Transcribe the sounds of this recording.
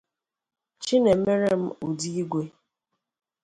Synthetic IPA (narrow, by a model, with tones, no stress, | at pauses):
t͡ʃi˦ne˨m̩˦me˦ɾe˦m̩˦u˨di˦i˦ɡʷe˦